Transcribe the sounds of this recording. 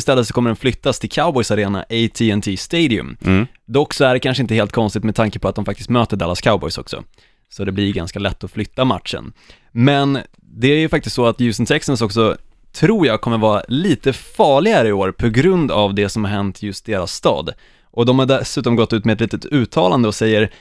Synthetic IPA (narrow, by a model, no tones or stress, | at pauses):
ɪst̪ɛlːət̪sɔkʰɔmːəɖɛnflʏt̪ːast̪ʰɪlkʰaʊbɔjsaɾeːna̰ʔeɪt̪ʰiɛnt̪ʰiːst̪eɪd̪ɪɵ̰md̪ɔkːsɔæɖɛkʰanʂəɪnt̪əheːlt̪̚kʰɔnst̪ɪkt̪mɛd̪t̪ʰaŋkəpʰɔat̪d̪ɔmfak̚t̪ɪ̥st̪møːt̪əɖɛlaskʰaʊbɔ̰jsɔ̰ksɔ̰ | sɔd̪ɛblɪɾɡa̰nskalɛt̪ːɔflʏt̪ːama̰t̪ʂə̰n | mɛn | d̪ɛæɾjɵfak̚t̪ɪst̪sɔat̪jʉːsənt̪ʰɛksəns̬ɔksɔ | t̪ʰɾuːjakʰɔmːəɾvɑːɾa̰liːt̪əfɑːɭɪɡaɾəɪoːɾpʰɔɡɾɵnd̪avd̪ɛsɔmhaɾhɛnt̪jɵst̪̚d̪eːɾasːt̪ɑ̰ːd̪ | ʔɔd̪ɔmhaɖɛsʉ̟ːt̪ɔmɡɔt̪ːʉ̟ːt̪mɛɛt̪liːt̪ət̪ʉ̟ːt̪ʰɑːland̪əɔsɛjːəɾ